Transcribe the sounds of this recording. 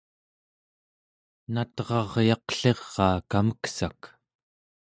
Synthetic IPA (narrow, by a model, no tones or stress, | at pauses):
nat̪ʁɑʁjɑqɬe̞ʁːɑːkaməksak